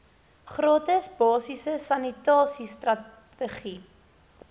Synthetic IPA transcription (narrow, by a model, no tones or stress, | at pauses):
χrɑːtəsbɑːsisəsɐnitɑːsistrɐ | əχi